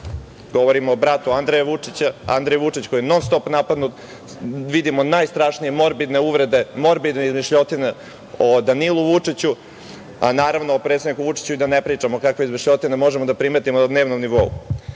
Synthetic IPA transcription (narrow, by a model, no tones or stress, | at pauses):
ɡo̞ʋoɾimoːbɾat̪uand̪ɾejaʋut͡ʂit͡ɕaa̰nd̪ɾejʋut͡ʂit͡ɕkojenonst̪opnapad̪nut̪ | ʋid̪imonajst̪ɾaʂnije̞mo̞ɾbid̪ne̞uʋɾe̞d̪e̞mo̞ɾbid̪neizmiʃʎot̪ine | od̪anilˠuʋut͡ʂit͡ɕu | a̰naːɾaʋnoːpɾet̪sed̪nikuʋut͡ʂi̥t͡ɕuid̪anepɾiːt͡ʂamokakʋeizmiʃʎʲo̞t̪inemo̞ʒemod̪apɾimet̪imod̪ne̞ːʋnomniʋo̞ṵ